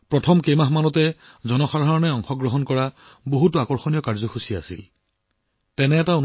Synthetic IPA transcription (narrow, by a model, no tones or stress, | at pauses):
pɹɔtʰɔmkemaɦmanɔtɛ | zɔnɔxadʱaɹɔnɛɔŋxɔɡɹɔɦɔnkɔɹa | boɦutʊakɔɹxɔnijɔkaɹzɔxusiasḭl | tɛnɛːtaon